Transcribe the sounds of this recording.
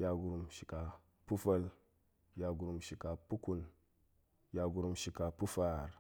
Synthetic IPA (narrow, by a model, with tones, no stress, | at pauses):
ja˨ɡu˨ɾu˨mʃi˨ka˨ | pu˦fa˦l | ja˨ɡu˨ɾu˨mʃi˨ka˨pu˦ku˦n | ja˨ɡu˨ɾu˨mʃi˨ka˨pu˦fa˦˨ɾ